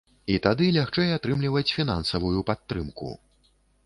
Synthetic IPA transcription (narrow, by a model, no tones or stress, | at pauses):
it̪ad̪ɨlʲaxt͡ʂɛjat̪ɾɨmlʲivɐt͡sʲfʲin̪a̰nsɐvujupat̪ːɾɨmkṵ